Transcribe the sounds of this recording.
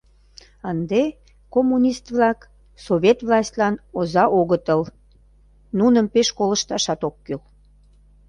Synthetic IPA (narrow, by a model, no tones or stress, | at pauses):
ənd̪e | komːunʲist̪βlɑk | soβʲet̪vlɑsʲt̪ʲlɑnozɑʔoɣət̪əl | nunəmpeʃkoləʃt̪ɑʃɑt̪okːyl